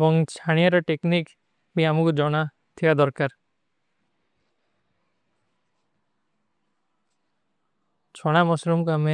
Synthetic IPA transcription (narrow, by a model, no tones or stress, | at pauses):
bɔŋt͡ʃʰaɽ̃ijaɾɔʈeknik | biamukd͡ʒɔɽ̃a | t̪ʰiad̪ɔɾkaɾ | t͡ʃʰɔɽ̃amɔsɾumkame